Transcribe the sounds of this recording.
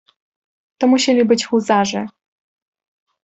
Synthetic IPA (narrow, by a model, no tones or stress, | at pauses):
t̪ɔmuɕelʲibɘt͡ɕxuzaʐɛ